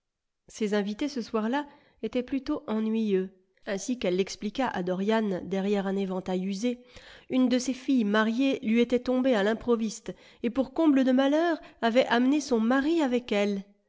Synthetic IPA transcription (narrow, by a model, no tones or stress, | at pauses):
sezɛ̃vit̪esəswaʁla | et̪ɛplyt̪oʔɑ̃nɥijø | ɛ̃sikɛlːɛksplikaʔa̰d̪ɔʁjand̪ɛʁjɛʁɛ̃nevɑ̃t̪ajyzeynd̪əsefijmaʁjelɥiet̪ɛt̪ɔ̃bealɛ̃pχɔvist̪ | epuʁkɔ̃bləd̪əmalœːʁavɛʔamnesɔ̃maʁiavɛkɛl